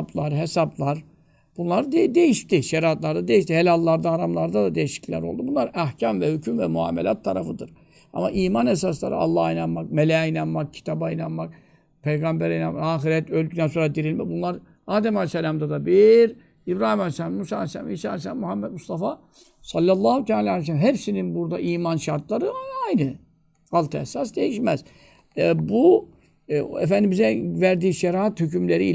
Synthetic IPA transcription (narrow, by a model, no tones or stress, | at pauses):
blˠaɾɦesablˠaɾ | b̥unlˠaɾɯd̪ed̪ejiʃt̪iʃɛɾaat̪lˠaɾd̪ad̪ejiʃt̪ihelʲalˠːaɾd̪aːɾamlˠaɾd̪ad̪ad̪ejiʃi̥cllʲæ̰ɾo̞lˠd̪ubunlˠaɾæhcʰamvɛhycʰymvɛmua̰ːmelʲat̪ʰːaɾafɯd̪ɯɾ̥ | a̰ma̰ʔiːmanes̬aslˠa̰ɾɯ̰ɑ̰lˠːɑhajnanmak̚melʲɛjajnanmak̚cʰi̥t̪ʰabainanmak̚ | pʰejɡambæɾajnanmaaːxiɾɛt̪ølʲd̪yd̪ænso̞ɾad̪iɾilʲmɛ̰bunlˠaɾ | aːd̪ɛmalʲsɛlʲamd̪ad̪abiɾ | ibɾaːhimalsmmusa̰ːalʲsɛla̰misa̰ːlʲsæmmuhamːɛd̪must̪ʰafa | sɑlʲːalˠːaːhut̪ʰaːlʲaːalijs̬ɛlamɦɛpsininbuɾd̪aʔiːmanʃaɾt̪ʰlˠaɾɯajnɯ | halˠt̪ʰɛsas̬d̪ejiʃmæz̥ | ɛbu | ɛ̰fænd̪imbizɛvæɾd̪iːʃɛɾaat̪hycymlʲeɾii